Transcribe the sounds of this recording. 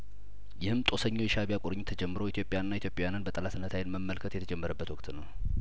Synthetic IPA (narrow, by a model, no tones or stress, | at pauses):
jɪhɨmt̪ʼo̞səɲːojɛʃaβijakʼuɾɨɲːt̪ʰəd͡ʒɛmːɨɾoit̪ʰjo̞pʼːɪjanːait̪jopʼejanɨnbət̪ʼəlasɨnːət̪ʰajɪnməmːəlkʰət̪jɛt̪ʰəd͡ʒɛmːəɾəbːət̪wɔkʼt̪nəw